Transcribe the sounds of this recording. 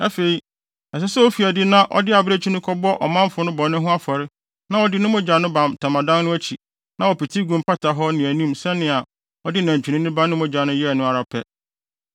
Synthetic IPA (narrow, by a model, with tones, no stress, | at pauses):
æ˦fe˨i˦ | ɛ˨s̬ɛ˦sɛ˦wɔ˦fi˨æ˨dɪ˦nã˦ʔɔ̰˦dɪ˦a˨bɾe˦t͡ɕʰi˦nʊ̃˦kʰɔ˦bɔ˦ʔɔ̰˨mã˦mfʊ˨nʊ̃˦bɔ˨nʊ̃˦ɦʊ̃˦a˦fɔ˨ɾɪ˦ | nã˦ɔ˦dɪ˦nʊ̃˦mʊ̃˦d͡ʑa˨nʊ̃˦bã˨mtʰa˨mã˨dã˦nnʊ̃˦æ˦t͡ɕʰi˨ | nã˦wɔ˨pi˨tʰi˦ɡũ˨m˨pʰa˦tʰa˨ɦɔ˦nɪ̃˨æ˨nũ˦msɛ˦nɪ̃˨a˨ | ɔ˦dɪ˦næ̃˨ɲ˨t͡ɕᶣi˨nĩ˦nɪ̃˦bã˦nʊ̃˦mʊ̃˦d͡ʑa˨nʊ̃˦jɛ˦ɛ˨nʊ̃˦a˨ɾa˨pʰɛ˦